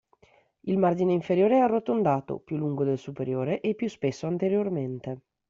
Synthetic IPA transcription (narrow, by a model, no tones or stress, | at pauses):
ilmard͡ʒineiɱfeɾjoːɾeɛarːot̪ond̪aːt̪o̰pjulːuŋɡod̪elsupeɾjoːɾeʔepːjuspesːoant̪eɾjorment̪e